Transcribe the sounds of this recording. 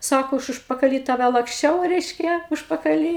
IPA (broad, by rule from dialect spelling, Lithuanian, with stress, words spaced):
ˈsɑːkoː ˈɐʃ ʊʃpɐkɐˈlʲiː ˈtɑːʋʲɛ lˠɐksʲˈt͡ʃʲɛʊ ˈrʲɛɪʃʲkʲɛ ʊʃpɐkɐˈlʲiː